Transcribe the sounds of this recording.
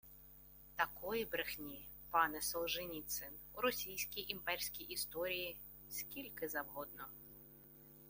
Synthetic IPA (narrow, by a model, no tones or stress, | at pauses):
t̪akɔjibɾɪxnʲi | pɑnɛsɔlˠʒɪnʲit̪sɪnuɾɔsʲijsʲkʲijʔimpɛrʲsʲkʲijʔist̪ɔɾʲiji | sʲkʲilʲkɪzɐwɦɔd̪nɔ